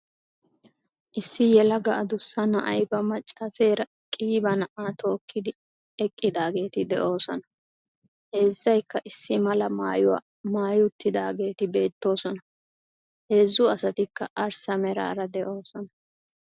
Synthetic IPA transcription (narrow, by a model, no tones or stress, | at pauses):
ʔɪsːɪjɛlɐɡɐʔɐd̪ʊsːɐnɐʔɐjbɐmɐt͡ʃʼːaːseːɾɐ | kʼiːbɐnɐʔaːt̪ʰo̞ːkʰːɪd̪ɪ | ɛkʼːɪd̪aːɡe̞ːt̪ɪd̪ɛʔo̞ːsɔnɐ | he̞ːzːɐjkːɐʔɪsːɪmɐlɐmaːjʊwa̰ | maːjʊt̪ːɪd̪aːɡe̞ːt̪ɪbe̞ːt̪ːo̞ːsɔnɐ | he̞ːzːʊɐsɐt̪ɪkːɐ̰ʔɐɾsɐmɛɾa̰ːɾɐd̪ɛʔo̞ːsɔnɐ